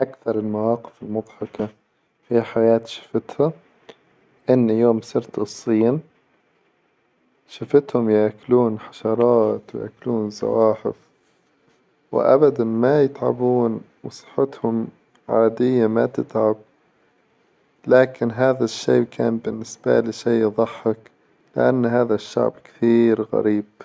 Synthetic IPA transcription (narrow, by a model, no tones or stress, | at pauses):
ʔakθɑɾˤɪlmawɑːqɪ̥fɪlmʊd̪ˤħɑka | fiħajaːt̪ʃḁfɪt̪ha | ʔɪnːjoːmsɨɾt̪ɨsˤːiːn | ʃafɪt̪hʊmjakluːnħḁʃɑɾˤɑːt̪wja̰ːkluːnzɑ̰waːħɪ̰f | wɪ̰ʔa̰bad̪anmajɪt̪ʕa̰buːn | wsˤɨ̥ħːɪt̪hʊm | ʕaːd̪ɪjːamat̪ɪt̪ʕab̚ | laːkɪnɦaːðaʃːeːkʰaːnbɪnːɪsb̥a̰lɪʃeːðˤɑħːɪk | lɪ̰ʔa̰nːhaːðaʃːa̰ʕbkɪ̥θiːɾɣa̰ɾiːb̥